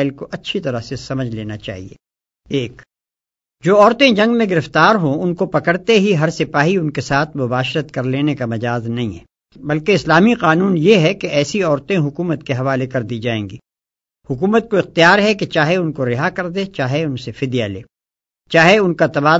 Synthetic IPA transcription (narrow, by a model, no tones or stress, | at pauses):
ɪlkoʔɐtːʃʰit̪ɐɾasesɐməd͡ʒʱleːnat͡ʃa̰ːɦḭḛː | eːk | d͡ʒoːɔːɾt̪ẽd͡ʒɐ̃ŋɡmẽɡɪɾɪft̪aːɾɦõʊnkopɐkəɾt̪eɦiɦɐɾsɪpaːɦiʊnkesaːt̪ʰmʊbaːʃɾət̪kɐɾleːnekamɐd͡ʒaːznɐɦĩɦɛː | bɐlkeɪslaːmiqaːnuːnjeɦɛkeɛːsiɔːɾt̪ẽɦʊkuːmət̪keɦɐʋaːlekɐɾd̪iːd͡ʒaːḛ̃ːŋɡiː | hʊkuːmət̪̚koɪxt̪ijaːɾɦɛket͡ʃaːɦeʊnkoɾɪɦakɐɾd̪eːt͡ʃaːɦeʊnsefɪd̪jalḛː | t͡ʃaːɦeʊnkat̪ɐbaː